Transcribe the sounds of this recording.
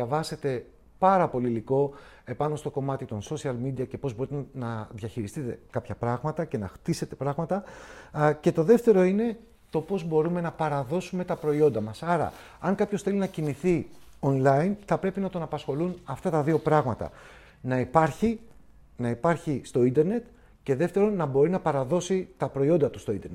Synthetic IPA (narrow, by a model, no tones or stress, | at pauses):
ɐvɐse̞t̪e̞ | pɐɾɐpo̞liliko̞e̞pɐno̞st̪o̞ko̞mɐt̪it̪o̞nso̞siɐlmid̪iɐce̞po̞zbo̞ɾit̪enɐðʝɐçiɾist̪it̪e̞kɐpçɐpɾɐɣmɐt̪ɐce̞nɐxt̪ise̞t̪e̞pɾɐɣmɐt̪ɐ | ce̞t̪o̞ðe̞ft̪e̞ɾo̞ine̞ | t̪o̞po̞zbo̞ɾume̞nɐpɐɾɐðo̞sume̞t̪ɐpɾo̞io̞nd̪ɐmɐsɐɾɐ̰ | ɐŋkɐpçosθe̞linɐciniθionlɐinθɐpɾe̞pinɐt̪o̞nɐpɐsxo̞lunɐft̪ɐt̪ɐðio̞pɾɐɣmɐt̪ɐ̰ | nɐipɐɾçi | nɐipɐɾçist̪o̞ind̪e̞ɾne̞t̪ | ce̞ðe̞ft̪e̞ɾo̞nːɐbo̞ɾinɐpɐɾɐðo̞sit̪ɐpɾo̞io̞nd̪ɐt̪ust̪oind̪e̞ɾnet̪